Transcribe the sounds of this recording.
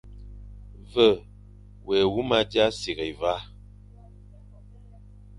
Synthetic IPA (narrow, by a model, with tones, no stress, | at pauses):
və˦˨ | wɛ˨wu˦ma˦dja˦si˨ɣe˨i˨va˦